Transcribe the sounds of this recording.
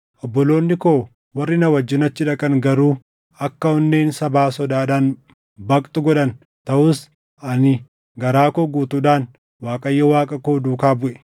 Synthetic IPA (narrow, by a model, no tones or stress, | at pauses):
ʔɔbːɔlo̞ːnːɪkoː | wɐrːɪnɐwɐd͡ʒːɪnɐt͡ʃːɪᶑɐkʼɐŋɡɐɾuː | ɐkːɐɔnːeːnsɐbaːsɔd̪aːᶑaːn | bɐkʼt̪ʼʊɡɔᶑɐn | t̪ɐʔʊːs | ɐnɪ | ɡɐɾaːkoːɡuːt̪uːᶑaːn | waːkʼɐjːɐwaːkʼɐkoːd̪uːkaːbʊʔɛ̥